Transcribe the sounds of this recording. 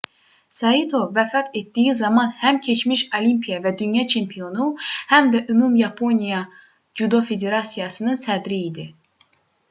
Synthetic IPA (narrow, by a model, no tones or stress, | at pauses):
sɑit̪ʰo̞væfɑt̪ʰe̞t̪̚d̪ijizɑmɑnhæmcʰe̞t͡ʃʰmiʃolimpʰijɑvæd̪ynjɑt͡ʃʰe̞mpʰijo̞nuhæmd̪æʔymumjɑpʰo̞nijɑ | d͡ʒud̪o̞fe̞d̪e̞ɾɑsijɑsɯnɯnsæd̪ɾiːd̪i